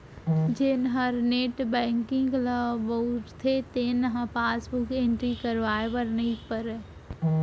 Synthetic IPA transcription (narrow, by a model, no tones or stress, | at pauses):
d͡ʒɪnɦəɾneːʈbɛ̃ːŋkɪ̃ŋɡləbəuʈt̪ʰet̪eːnɦãpaːsbukẽːɳʈɾikəɾʋaːeʋəɾnəipəɾe